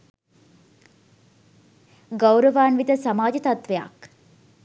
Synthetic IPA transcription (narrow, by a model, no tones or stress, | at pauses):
ɡawɾəʋaːnʋid̪əsamaːd͡ʒət̪at̪ʋeja̰k